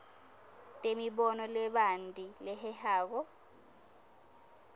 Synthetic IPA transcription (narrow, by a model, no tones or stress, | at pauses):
tʼemiɓɔnɔlɛɓandʱilɛhɛhaːk̬ɔ